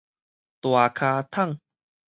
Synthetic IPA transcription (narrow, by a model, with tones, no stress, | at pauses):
t̪wa˨˩kʰaː˧t̪ʰa˥˩˨ŋ